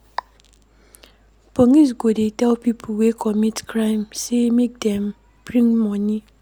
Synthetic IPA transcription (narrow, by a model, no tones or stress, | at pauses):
poŋis̬ɡodetɛlpipʰowekʰɔmitkɹãɪ̃msemek̚dɛ̃m | b̥ɹĩŋmɔni